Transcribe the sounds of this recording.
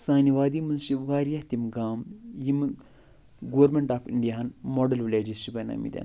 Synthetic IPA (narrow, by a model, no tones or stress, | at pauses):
saːniʋaːd̪iːmɨnsiʋaːɾijɐht̪imɡaːmjim | ɡoʋɐɾmeɳʈaːpʰiɳɖijaɐnmoːɖɐlʋlʲeːd͡ʒist͡ʃibɐna̰mḭd̪ʲɐ̰n